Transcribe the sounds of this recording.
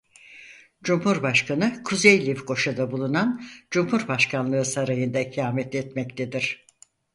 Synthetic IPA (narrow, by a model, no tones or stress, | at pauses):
d͡ʒumhuɾbaʃkʰanɯkʰuzejlʲifko̞ʃad̪abulˠunand͡ʒumhuɾbaʃkʰanlˠɯːsaɾajɯnd̪acʰijaːmɛt̪ʰɛt̪mɛct̪ʰed̪iɾ̥